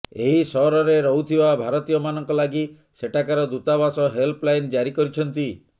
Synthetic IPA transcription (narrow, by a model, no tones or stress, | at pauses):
eɦisɔɦɾɔɾeɾɔɦut̪ʰibabʱaɾɔt̪ijɔmanɔŋkɔlaɡi | seʈakaɾɔd̪ut̪abasɔɦelplajnd͡ʒaɾikɔɾit͡ʃʰɔnt̪i